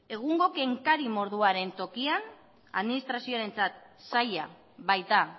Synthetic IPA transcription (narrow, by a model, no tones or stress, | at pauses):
e̞ɣ̞uŋɡo̞ke̞ŋkaɾimo̞ɾð̞uaɾe̞nt̪o̞kian | a̰ðminist̪ɾasio̞aɾe̞nt͡sat̪̚ | saja | βajt̪a